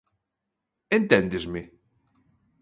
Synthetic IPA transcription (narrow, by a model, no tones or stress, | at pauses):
ent̪ɛnd̪ezme